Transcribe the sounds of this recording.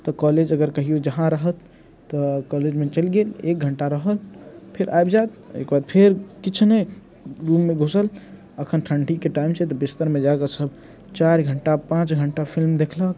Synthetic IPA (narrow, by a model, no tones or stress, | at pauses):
t̪ɔkɔled͡ʒəɡəɾkəɦiod͡ʒəɦãɾəɦət̪ː | ɔkɔled͡ʒmet͡ʃəlɡelek̚ɡʱəɳʈaɾəɦəlpʰeɾʔaebd͡ʒat̪ḛkbad̪̚pʰeɾkit͡ʃʰne | ɾumːeɡʱosəl | əkʰənʈʰəɳɖikeʈaimset̪ɔbist̪əɾmẽd͡ʒaekəsəbʱ | t͡ʃaɾɡʱəɳʈapãt͡ʃɡʱəɳʈapʰilmd̪ekʰlək